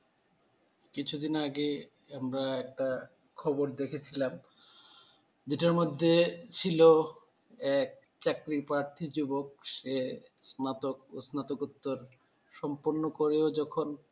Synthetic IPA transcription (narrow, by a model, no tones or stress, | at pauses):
kit͡ɕʰud̪inaɡe | amɾaɛk̚ʈa | kʰɔboɾd̪ekʰet͡ɕʰilam | d͡ʑeʈaɾmod̪ʱːet͡ɕʰilo | ɛk̚ | t͡ɕakɾipɾaɾt̪ʰid͡ʑubok̚ʃe | snat̪ok̚o̰snat̪okut̪ːoɾ | ʃɔmpoɾnokoɾeod͡ʑɔkʰon